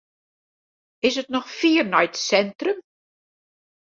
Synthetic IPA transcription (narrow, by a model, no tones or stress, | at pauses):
ɪsətnɔxfiːərnɔjtsɛntrəm